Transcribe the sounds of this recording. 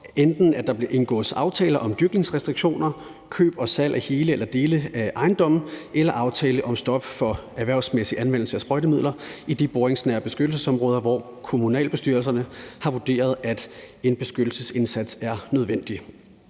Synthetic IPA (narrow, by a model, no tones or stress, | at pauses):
end̥n̩æd̥ɑ̈b̥liɐʔe̝nɡ̥ɔ̰̽ːð̩ˠsɑ̈ʊt͡sʰɛ̰ːlɐʔɒ̽md̥yɐɡ̥ne̝ŋsʁɛsd̥ʁiɡ̥ɕo̝̰ːnɐ | kʰø̰ːb̥ɒ̽sæl̰ʔæhe̝ːləelɐd̥e̝ːləʔɑ̈ɪnd̥ɒ̽m̰n̩elɐʔɑ̈ʊt͡sʰɛːləʔɒ̽msd̥ɒ̽b̥fɒ̽æʋæɐ̰ʊ̰smesiʔænʋen̰l̩səæsb̥ʁɔɾ̥əmið̰ˠlɐid̥ib̥oɐʁeŋsnæɐ̰b̥e̝sɡ̥ød̥l̩səsɒ̽mʁɔ̽ːðˠɐʋɒ̰ | kʰo̝munɛ̰ːlb̥e̝sd̥yɐls̬ɐnəhɑ̈ʋud̥e̝̰ːɐð̞ˠæd̥e̝nb̥e̝sɡ̥ød̥l̩səse̝nsæd̥sæɐnøð̞ˠʋen̰d̥i